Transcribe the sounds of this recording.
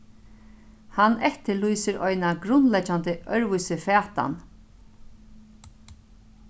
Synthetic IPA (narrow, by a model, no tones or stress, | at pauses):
hanɛht̪ɪlujsɪɾɔ̰jnaɡɾʊnlɛt͡ʃːant̪ɪʔœɹvʊjsɪfɛːt̪a̰n